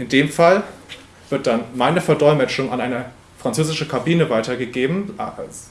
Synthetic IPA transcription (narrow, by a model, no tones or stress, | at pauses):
ʔɪndeːmfal | v̥ɪɐt̚d̥anmaɪnəfɛɐdɔʏmɛt͡ʃʊŋanʔaɪnə | fʁ̥ant͡søːzɪʃn̩kʰabiːnəvaɪtɐɡəɡeːbm̩ʔa̰s